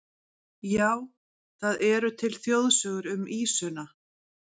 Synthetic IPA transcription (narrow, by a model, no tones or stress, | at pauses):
jaːw | θaðɛɾʏt̪ʰɪlθjowðsœːɣʏɾʏmiːsʏna